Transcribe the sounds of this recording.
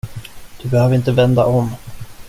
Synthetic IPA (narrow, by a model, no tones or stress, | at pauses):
d̪̥ɵbɛhøːvəɾɪnt̪əvɛnd̪a̰ʔɔm